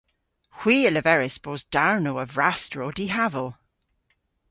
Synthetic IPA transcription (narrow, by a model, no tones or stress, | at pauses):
hw̥iːələvɛɹɪsb̥ozd̥aɹnoəvɹastɹodiɦavəlˠ